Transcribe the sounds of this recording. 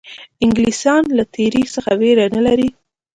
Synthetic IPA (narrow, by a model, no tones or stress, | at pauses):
ɪŋɡlisɑnlat̪ʰeɾixsəxaweɾanəlaɾi